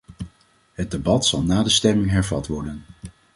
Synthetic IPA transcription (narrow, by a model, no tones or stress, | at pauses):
ɦəd̚debɑtsɑlˠnaːdəstɛmɪŋɦɛɹvɑtʋɔɹdən